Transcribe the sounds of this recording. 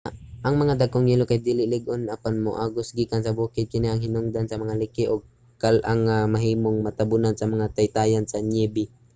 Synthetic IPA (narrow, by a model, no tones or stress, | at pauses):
ʔɐŋmɐŋad̪aɡ̚koŋjilokajd̪iːlɪʔlɪɡʔonapanmo̰ʔaɡʊsɡiːkansɐbuːkɪd̪̚kɪnɪʔaŋhɪnʊŋd̪ansɐmɐŋalɪkɪʔoɡ̚ | kalʔaŋamɐɦiːmoŋmɐt̪abʊnansɐmɐŋat̪ajt̪aːjansɐɲɛːbɪ